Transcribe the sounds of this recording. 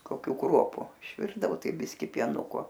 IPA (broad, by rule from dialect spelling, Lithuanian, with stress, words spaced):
koːˈkʲuː ˈkruɔpʊ ɪʃʲˈʋʲɪrdɐʋoː ˈtɐɪ ˈbʲɪsʲkʲɪ pʲiɛˈnʊkoː